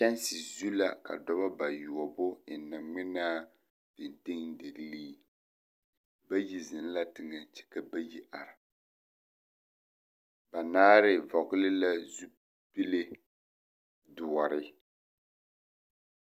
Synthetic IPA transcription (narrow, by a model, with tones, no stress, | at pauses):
t͡ʃɛ˦nsi˨zu˦la˨ka̰˨dɔ˦ba˦ba˨ju˨ɔ˨bʊ˦ɪ˨nɨ˨ŋŋ͡mɪ˦naː˦ | v̥ɪ˨n˨tɪ˦ŋde˨lliː˦ | ba˦ji˨zɪ˨n˦la˦tɪ˨ŋa˨n˨t͡ʃɛ̥˨ka˦ba˦ji˦ʔa˨ɾa˨ | ba˨naː˦ɾɪ˦vɔ˨kʊ˦lɪ˦la˦zu˦ | pi˦le˦ | dʊ˨ɔ˨ɾɪ˦